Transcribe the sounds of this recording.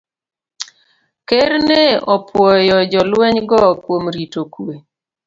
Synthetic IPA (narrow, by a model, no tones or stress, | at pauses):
keɾneɔpwɔjɔd͡ʒɔlwɛɲɡɔkwomɾitokwe